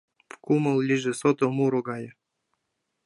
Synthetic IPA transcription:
pkumɤlˠlʲiʒĕsot̪omuɾoɡɑjɤ

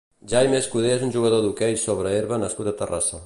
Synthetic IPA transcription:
ʒajmeskuð̞eezunʲʒuɣəð̞oðukɛjsoβɾəeɾβənəskut̪ət̪əra̰sə

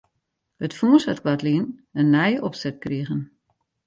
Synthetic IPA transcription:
ətfuːsatkʰwatliənənːɛjəʔɔpsɛt̚kriəɣən

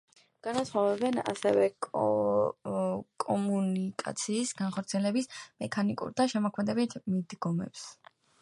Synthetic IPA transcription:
ɡ̥anasχɔvɛbɛna̰sɛvɛ | kʼɔmunikʼa̰t̪sʰiːsɡanχɔɾt̪sʰiɛlɛbismɛkʰanikʼṵɾd̪aʃɛmɔkʰmɛd̪ɛbit̪ʰmid̪ɡɔmɛ̰ps

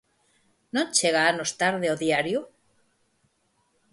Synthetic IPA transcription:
nont͡ʃeɣaanost̪aɾðeoðjaɾjo

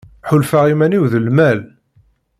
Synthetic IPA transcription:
ħʊlfaʁimæniwðəlmæl

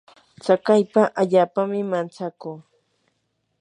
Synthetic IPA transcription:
t͡sakajpaʔaʎaːpamɪmant͡sakuː

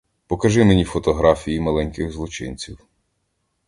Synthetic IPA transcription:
pɔkɐʒɪmenʲifɔt̪ɔɦɾɑfʲijimɐlˠɛnʲkɪɣzlˠɔt͡ʃɪ̰nʲt͡sʲiw

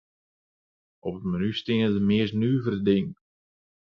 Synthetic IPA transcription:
ʔɔpətmanystɪəndəmɪəsnyːvərədɪŋ

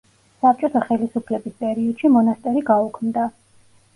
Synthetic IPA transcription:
sap̚t͡ʃʼɔt̪ʰaχɛlisupʰlɛbispʼɛɾiɔd̪̥ʃimɔnast̪ʼɛɾiɡaukʰmd̪a

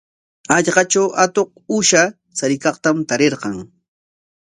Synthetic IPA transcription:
ɑʎɢɑt͡ʃawʔat̪oq̚ʊʃa | t͡saɾɪkɑqt̪amt̪aɾeɾqɑŋ

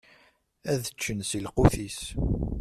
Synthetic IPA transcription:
æðət͡ʃːənsilquθis

